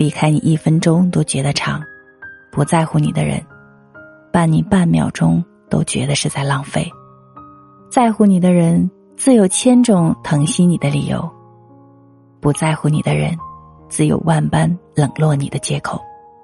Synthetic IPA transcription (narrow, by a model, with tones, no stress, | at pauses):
li˧˥kʰa˥ɪnḭ˨˩i˥˩fə˥nʈ͡ʂʊ˥ŋt̪o˥ʊt͡ɕɥɛ˧˥d̪ə˧ʈ͡ʂʰɑ˧˥ŋ | pu˧˥t͡sa˥˧ɪxu˥˩nḭ˨˩d̪ə̰˦ɻə̰˧˥n | pa˥˩nni˨˩pa˥˩nmjɑ̰˨˩ʊʈ͡ʂʊ˥ŋ | t̪o̰˥ʊt͡ɕɥɛ̰˧˥d̪ə˧ʂɻ̩˥˧t͡sa˥˧ɪlɑ˥˧ŋfe˥˩ɪ | t͡sa˥˧ɪxu˥˩ni˨˩d̪ə˦ɻə˧˥n | t͡sɹ̩˥˩jo˨˩ʊt͡ɕʰjɛ˥nʈ͡ʂʊ˥˩ŋt̪ʰɤ˧˥ŋɕi˥ni˨˩d̪ə˦lḭ˨˩jo̰˧˥ʊ | pu˧˥t͡sa˥˧ɪxu˥˩ni˨˩d̪ə˦ɻə̰˧˥n | t͡sɹ̩˥˩jo̰˨˩ʊwa˥˩npa˥nlɤ˨˩ŋlwɔ˥˩ni˨˩d̪ə˦t͡ɕjɛ˥kʰo˨˩˦ʊ